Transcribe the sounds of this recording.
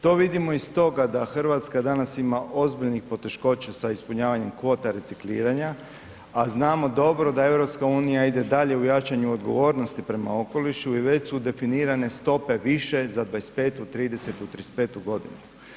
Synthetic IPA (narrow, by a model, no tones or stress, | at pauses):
t̪o̞ːʋid̪imo̞ist̪o̞ɡad̪axr̩ʋat̪skad̪anasimaʔo̞zbiʎnixpo̞t̪e̞ʃko̞t͡ɕasaispuɲaːʋaɲe̞mkʋo̞ːt̪aɾe̞t̪siklḭːɾaɲa | aznaːmo̞d̪o̞bɾo̞d̪ae̞wɾo̞pskauːnijaid̪e̞d̪aʎe̞ujat͡ʃaɲuo̞d̪ɡo̞̰ʋo̞ːɾno̞st̪ipɾe̞ma̰o̞ko̞liʃuiʋe̞t͡ɕsud̪e̞finiːɾane̞st̪o̞pe̞ʋiʃe̞zad̪ʋaest̪̚pe̞ːt̪ut̪ɾiːd̪e̞se̞t̪ut̪ɾispe̞t̪uɡo̞d̪ḭnu